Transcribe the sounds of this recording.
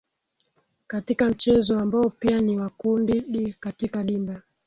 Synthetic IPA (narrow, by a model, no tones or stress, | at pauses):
katikam̩t͡ʃɛzɔambaɔpianiwakundiɗikatikaɗimba